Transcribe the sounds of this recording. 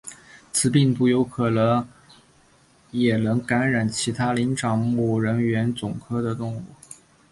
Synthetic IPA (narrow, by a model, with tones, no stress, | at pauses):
t͡sʰɹ̩˧˥pi˥˧ŋpu˥˩jo˧˥ʊkʰɤ˨˩lə˧˥ | jɛ˨˩nɤ˧˥ŋka˧˥nɻa˨˩nt͡ɕʰi˧˥t̪ʰa˥li˧˥nʈ͡ʂɑ˨˩ŋmu˥˩ɻə˧˥nɥɛ˧˥nt͡sʊ˨˩ŋkʰɤ˥d̪ə˨t̪ʊ˥˧ŋṵ˥˩